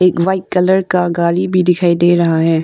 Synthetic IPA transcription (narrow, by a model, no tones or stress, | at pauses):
eːkʋaːɪkkːɐləɾkaɡaːlibʱid̪ɪkʰaːid̪eːɾɐɦaɦɛː